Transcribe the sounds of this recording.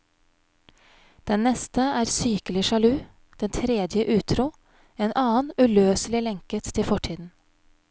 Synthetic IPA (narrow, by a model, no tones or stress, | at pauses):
d̪̥ɛnnɛst̪əæːɾsyːkəlɪʃɑlʉː | d̪̥ɛnt̪ʰɾeːd̪jəʔʉːt̪ʰɾuː | eːnʔɑːənʉløːslɪlɛŋkət̪ʰːɪfɔʈʰiːd̪n̩